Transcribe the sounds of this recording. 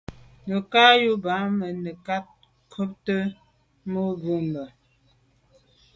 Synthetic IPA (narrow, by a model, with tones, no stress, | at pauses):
nə˨ka˦ju˦ba˨˦mə˨nə˨ka˦t̚ | kʰo˦p̚tə˦ | mo˦ɡu˦mbə˨